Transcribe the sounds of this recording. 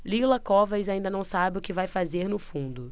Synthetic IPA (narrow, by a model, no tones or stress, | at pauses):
lilɐkɔvɐjzaĩnd̪ɐnɐ̃w̃sabɪʊkɪvajfazeɾnʊfũd̪ʊ